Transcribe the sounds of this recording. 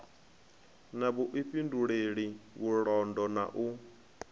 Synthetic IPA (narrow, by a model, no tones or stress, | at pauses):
naβuʔiɸinduɺeɺiβuɺɔndɔna̰ʔu